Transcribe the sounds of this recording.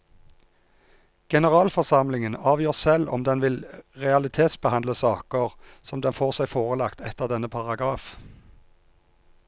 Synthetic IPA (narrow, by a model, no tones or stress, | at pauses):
ɡ̥ɛnəʁɑːlfɔʁsɑmlɪŋənɑːʋjøːʁsɛlɔ̰md̪ɛnʋɪlʁɛɑlɪt̪ʰeːt̪sbəhɑndləsɑːkəʁsɔmd̪ɛnfoːʁsæɪfoːʁəlɑkt̪ɛt̪əʁd̪ɛnəpʰɑʁɑɡʁɑːf